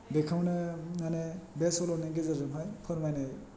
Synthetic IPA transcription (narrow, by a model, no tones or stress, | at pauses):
dekʰawnɯŋanebesɔlɔneɡezaɾzɯmɦajpʰɯɾmajnaj